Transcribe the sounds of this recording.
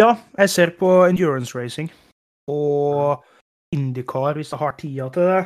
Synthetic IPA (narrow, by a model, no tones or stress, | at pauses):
jɑːjæɪseːɾpʰɔɪnd̪jʉːɹənsɹeɪsɪŋ | ɔ | ɪnd̪ɪkʰɑːəɾʋɪsd̪ɛhɑʈʰiːɑt̪ʰɪd̪ɛ